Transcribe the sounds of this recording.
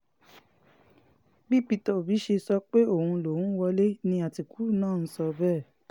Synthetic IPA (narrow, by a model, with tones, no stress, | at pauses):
bi˦˨pi˧tɔ˨bi˨˦ʃe˧sɔ˧k͡pe˦o˦˨hũ˧lo˨˦˨ũ˦wɔ˧le˦nĩ˧a˨ti˨ku˦nãː˦˨n̩˦sɔ˧bɛː˦˨